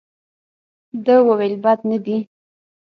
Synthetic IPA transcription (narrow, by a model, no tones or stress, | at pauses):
d̪əwawelbɑt̪nad̪i